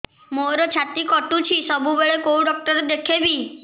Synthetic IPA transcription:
moɾɔt͡ʃʰat̪ikɔʈut͡ʃʰisɔbʱubeɭekouɖɔk̚ʈɔɾed̪ekʰebi

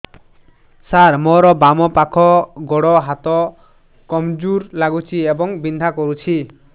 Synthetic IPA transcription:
saɾmɔɾɔbamɔpakʰɔɡɔɽɔɦat̪ɔ | kɔmd͡ʒuɾlaɡut͡ʃʰiebɔŋbind̪ʱakɔɾut͡ʃʰi

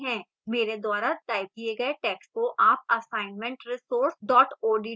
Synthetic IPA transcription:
ɦɛ̃ː | meːɾed̪waːɾat̪aːɪb̚kieɡɐeʈɛːkskoʔaːp̚ɐsãːɪnmɛ̃ɳʈɾɪsoːɾsɖɔːʈoːɖiː

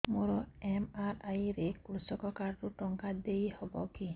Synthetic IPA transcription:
moɾɔemaɾajɾekɾusɔkɔkaɾɾuʈɔŋkad̪ejhɔbɔki

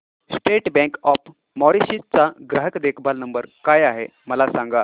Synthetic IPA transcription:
sʈeʈbɛ̃ŋkɔp | mɔɾiɕit͡saɡɾəɦəkd̪ekʰbalnəmbəɾkajaɦeməlasãŋɡa

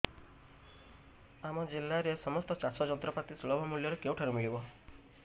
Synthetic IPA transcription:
amɔd͡ʒilːaɾesɔmɔst̪ɔt͡ʃasʰɔd͡ʒɔnt̪ɾɔpat̪isuɭɔbʱamuljɔɾekewʈʰaɾumiɭibɔ

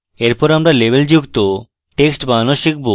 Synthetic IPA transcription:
eɾpɔɾamɾalebʱeld͡ʑukt̪o | ʈeksʈbanoʃik̚bo

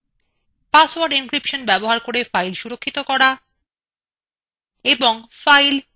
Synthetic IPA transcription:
paswaɾɖinkɾipʃonbɛboɦaɾkoɾefajlʃuɾokʰːit̪okɔɾa | eboŋfajl

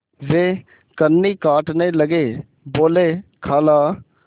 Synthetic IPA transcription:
ʋeː | kənːiːkaːʈneːləɡeː | boːleːkʰaːlaː

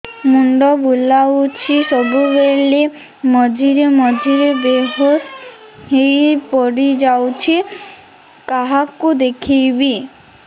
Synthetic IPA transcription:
muɳɖɔbulawt͡ɕʰiʃɔbubeli | mɔd͡ʑʱiɾemɔd͡ʑʱiɾebeɦos | ɦejpɔɾid͡ʑawt͡ɕʰi | kaɦakud̪ekʰijbi

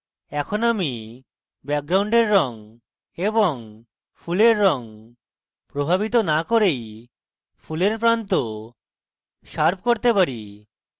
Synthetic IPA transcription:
ɛkʰonami | bɛk̚ɡɾawɳɖeɾːɔŋ | eboŋ | fuleɾːɔŋ | pɾobʱabit̪onakoɾej | fuleɾpɾant̪o | ʃaɾb̚ʱkoɾt̪epaɾi

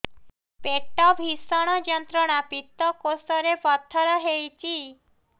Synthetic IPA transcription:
peʈɔbʱisɔɽ̃ɔd͡ʒɔnt̪ɾɔɽ̃apit̪ːɔkosɔɾepɔt̪ʰːɔɾɔɦejt͡ʃʰi

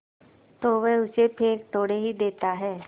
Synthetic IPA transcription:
t̪oːʋɛɦʊsepʰeːkt̪oːɽeɦid̪eːt̪aɦɛː

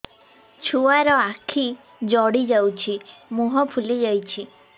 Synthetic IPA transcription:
t͡ʃʰuaɾɔakʰi | d͡ʒɔɽid͡ʒawt͡ʃʰimuɦɔpʰulid͡ʒajt͡ʃʰi

